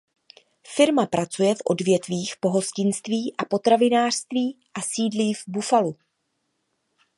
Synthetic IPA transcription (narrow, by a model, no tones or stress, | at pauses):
fɪɾmapɾʔat͡sujɛfʔo̞̰dvjɛt̪viːxpo̞ɦo̞scɪnst̪viːʔapo̞t̪ɾavɪnaːr̥st̪viːʔasiːdliːvbufalu